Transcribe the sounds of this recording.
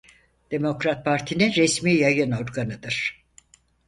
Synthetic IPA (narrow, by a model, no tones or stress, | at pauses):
d̪̥emo̞kɾat̪̚pʰaɾt̪ʰininɾesmiːjajɯno̞ɾɡanɯd̪ɯɾ̥